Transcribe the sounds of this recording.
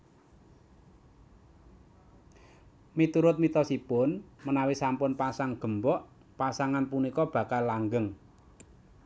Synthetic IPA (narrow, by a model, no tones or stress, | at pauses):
mit̪uɾʊt̪̚mit̪ɔsipʊnmənawisampʊnpasaŋɡ̥ə̤mbɔʔ | pasaŋanpunikɔb̥ä̤kalːaŋɡəŋ